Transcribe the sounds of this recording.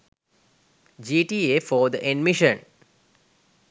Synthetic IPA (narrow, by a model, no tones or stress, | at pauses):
d͡ʒiːʈiːefɔːd̪əʔeɖmiʃə̃n